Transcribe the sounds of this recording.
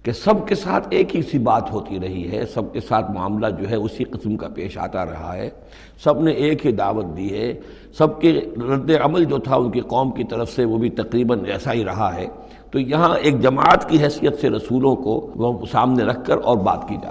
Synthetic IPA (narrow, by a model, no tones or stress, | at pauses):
kesɐbkesaːt̪ʰeːkɦisibaːt̪ɦoːt̪iɾɐɦiɦɛ̰sɐb̚kesaːt̪ʰmʊa̰ːmlad͡ʒoːɦɛʊsiqɪsmka̰peːʃa̰ːt̪aɾɐ̰ɦa̰ɦɛː | sɐbneʔeːkɦid̪aːʋət̪̚d̪iɦɛ | sɐb̚keɾɐ̃nd̪eɐməld͡ʒoːt̪ʰaʊnkeqɔːmkit̪ɐɾəfseʋoːbʱit̪ɐqɾiːbənɛːsaɦiɾɐɦaɦɛː | t̪ojɐɦãeːk̚d͡ʒɐma̰ːət̪kiɦɛːsijət̪seɾɐsuːlõkosaːmneɾɐkʰːəɾʔɔːɾba̰ːt̪kid͡ʒa̰ː